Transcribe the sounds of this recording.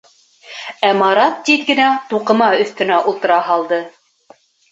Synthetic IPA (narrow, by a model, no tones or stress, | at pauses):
æmɑɾɑt̪̚ːit̪ɡɘ̆næt̪uqɤ̆mɑɵ̆θt̪ɵ̆næʔulˠt̪ɤ̆ɾɑɦɑlˠd̪ɤ